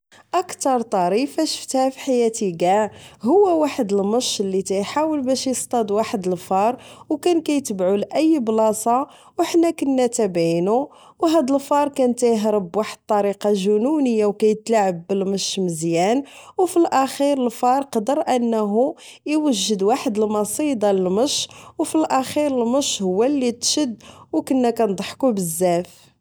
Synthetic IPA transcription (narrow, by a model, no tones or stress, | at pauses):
ʔəkt̪ɑɾˤt̪ˤɑɾifæʃə̥ft̪hæfiħajæt̪iɡæɦʊwːæwaħəd̪əlməʃəlːit̪æjħawəlbæʃjəst̪ˤɑd̪waħəd̪əlfɑɾˤwkænkæjt̪əbʕulʔəjːblɑsˤɑ | wħnːækənːæt̪æbæjnu | wɦæd̪əlfɑɾˤkænt̪æjɦɾəbwaħəd̪̚t̪ˤːɑɾiqɑʒununəjːawkæjət̪laʕəbːəlməʃməzjænwfilʔæxiɾəlfɑɾˤqɑd̪əɾˤʔənːɦu | iwəʒːəd̪waħəd̪əlmɑsˤid̪ɑləlməʃwfilʔæxiɾəlməʃhʊwːælːit̪ʃəd̪wkənːækænd̪ˤɑħkubəzːæf